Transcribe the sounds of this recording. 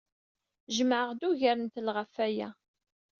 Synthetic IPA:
ʒəməʕəʁd̪uʝaɾənt̪lʁafæjæ̰

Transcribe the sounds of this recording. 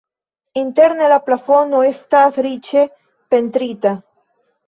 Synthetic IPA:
int̪eɾnelaplafonoest̪asɾit͡ʃe | pent̪ɾit̪a

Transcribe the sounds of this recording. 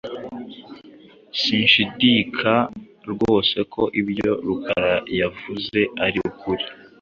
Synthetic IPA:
siːnʃidiːkʰa | ɾɡwo̞ːse̞kʰo̞ʔibjo̞ɾukʰa̰ɾajavuze̞aɾiukʰuɾi

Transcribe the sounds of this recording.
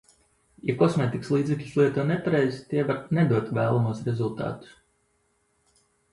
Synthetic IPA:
ja̰kɔsmʲeːt̪ikslˠiːzʲɛklʲuslˠiɛt̪uːnepaɾejzʲt̪iɛvaɾnɛd̪uɔt̪væːlˠamuɔsɾezulˠt̪a̰ːt̪u̥s

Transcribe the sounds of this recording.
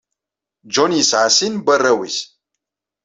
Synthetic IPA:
d͡ʒonisaːsinbɐrɐwis

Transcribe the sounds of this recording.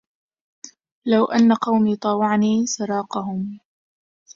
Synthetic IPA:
lawʔanːaqɑwmiːt̪ˤɑːwɑʕniːsɑɾˤɑːqɑɦʊm

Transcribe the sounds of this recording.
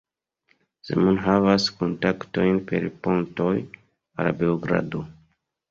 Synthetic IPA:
zḛmunɦavaskontakto̞jnpe̞̰ɾpo̞nto̞j | a̰labe̞oɡɾa̰do

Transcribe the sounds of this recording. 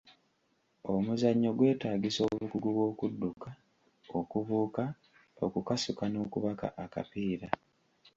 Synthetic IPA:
o̞muzaɲːo̞ɡwe̞ːtaːɡiso̞ːβukuɡuβwo̞ːkudːuka | o̞kuβuːka | o̞̰kukasukano̞ːkuβaka̰ʔaka̰piːɾa

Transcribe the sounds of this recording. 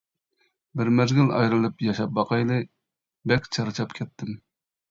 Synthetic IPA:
bɪɾmɛzɡʲɪlɑ̰jɾɨlˠɨpjɑʃɑp̚bɑqʰɑjlˠɨ | bɛkʲt͡ʃʰɑɾɨt͡ʃʰɑpkʲʰɛt̪ʰːɪm

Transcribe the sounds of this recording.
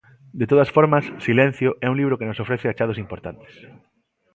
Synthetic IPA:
d̪et̪oðɐsfoɾmɐsːilɛ̃n̟θjoʔɛuŋliβɾokenosofɾɛθeat͡ʃað̞osimpoɾt̪ant̪e̥s

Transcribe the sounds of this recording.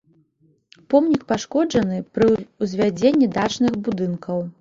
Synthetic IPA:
pɔmnʲik̚paʂkɔd͡ʐɐnɨpɾɨuzʲvʲad͡zʲenʲːid̪at͡ʂnɨɣbud̪ɨnkʰɐw

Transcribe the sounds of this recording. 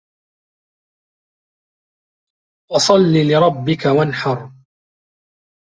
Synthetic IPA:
wɑsˤɑlːiːlɪɾˤɑbːɪkawanħɑɾˤ

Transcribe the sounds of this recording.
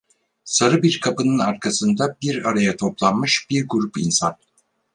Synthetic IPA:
saɾɯbiɾkʰapɯnɯnaɾkʰasɯnd̪abiɾaɾajat̪ʰo̞plˠanmɯʃb̥iɾɡuɾupinsan

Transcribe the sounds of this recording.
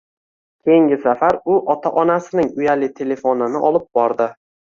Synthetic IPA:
kʲʰe̞jɪŋɡʲɪsafaɾʊʔɒt̪ʰaʔɒnasɪnɪŋʊjalɪt̪ʰe̞le̞fonɪnɪʔɒlɪp̚bɒɾd̪ɪ

